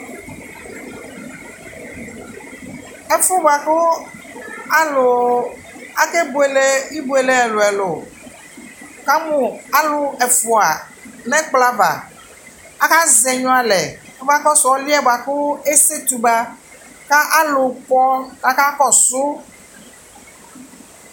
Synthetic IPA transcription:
ɛ˨fo˦ba˨ko˦ | a˦lo˨ | a˦ke˦bo˨e˨le˦i˦bu˨e˨le˦ɛ˨lo˨ɛ˨lo˨ | ka˦mũ˨a˦lʊ˦ɛ˨fo˨a˨ | nɛ̃˦k͡pla˦va̰˨ | a˦ka˦zɛ˨ɲɔ̃˦a˨lɛ˨˦va˦kɔ˦sɔ˨˦li˦ɛ˦ba˨ko˦e˦se˦t̪u˨ba˦ | ka˦ʔa˦lo˨k͡pɔ˦ka˨ka˦kɔ˦sʊ˦

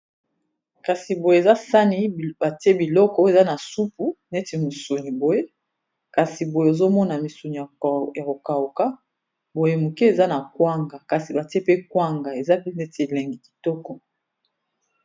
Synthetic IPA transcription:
ka˨si˨bo˨je˨e˨za˦sa˦ni˦ba˨te˦bi˨lɔ˦kɔ˦e˨za˦na˨su˦pu˨ne˦ti˨mu˨su˨ni˨bo˨je˦ | ka˨si˨bo˨je˨zo˦mɔ˦na˨mi˨su˨ni˨a˨ja˨ko˨ka˨o˨ka˦ | bo˨je˨˦mu˨ki˦e˨za˦na˨kwa˦ŋɡa˨ka˨si˨ba˨ti˦e˦pe˦kwa˦ŋɡa˨e˨za˦pe˦ne˦tlɛ˨ŋɡi˨ki̥˨tɔ˦kɔ˨

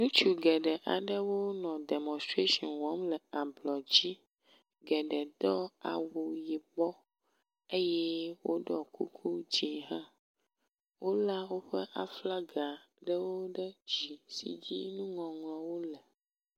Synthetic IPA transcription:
nũ˦t͡ʃu˨ɡɛ˨ɖɛ˨ʔa˨ɖə˦wo˦nɔ̃˨dɛ˨mɔ̃˨st̪ɾe˦ʃɔ̃˨nwɔ˦mlɛ˨a˨blɔ˨d͡ʑi˦ | ɡɛ˨ɖɛ˨d̪ɔ˦a̰˨wo˨ji˨bɔ˦ | e˦jɛ˦wo˦ɖɔ˨kṵ˦kʰu˦d͡ʑi˦ɦã˦ | wo˦la˦wo˦ɸɛ˦ʔa˨fla˦ɡa˨ | ɖə˦wo˦ɖɛ˦d͡ʑi˨sḭ˨d͡ʑḭ˦nũ˦ŋɔ̃˨ŋlɔ̃˨wo˦lɛ˨

